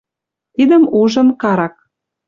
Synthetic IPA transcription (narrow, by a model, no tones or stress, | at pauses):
t̪id̪ə̆muʒɤ̆mkɑɾɑk̚